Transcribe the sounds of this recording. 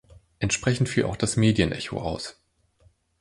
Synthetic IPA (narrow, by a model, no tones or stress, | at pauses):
ʔɛntʃpʁ̥ɛçn̩tfiːlʔa̰ʊxd̥asmeːdijənʔɛço̰ʔa̰ʊs